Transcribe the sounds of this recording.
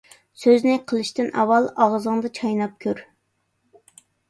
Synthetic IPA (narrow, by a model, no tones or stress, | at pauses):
søznɪqʰəlˠɨʃt̪ɨnʔɑ̰wɑlˠɑʁzəŋd̪ɑt͡ʃʰɑjnɑp̚kʲʰøɾ